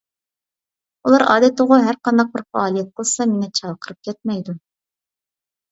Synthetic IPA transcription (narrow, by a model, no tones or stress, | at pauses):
ulˠɑɾɑ̰ːd̪ɪt̪əʁʊɦæɾqɑnd̪ɑq̚bɪɾfɑɑːlˠijɛt̪̚qəlˠsɑmeŋɛt͡ʃʰɑqʰəɾɨp̚kʲʰɛt̪̚mɛjd̪u